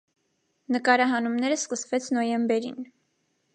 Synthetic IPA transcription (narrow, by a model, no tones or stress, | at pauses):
nəkɑɾɑɦɑnumnɛɾəskəsvɛt͡sʰnɔjɛmbɛɾḭn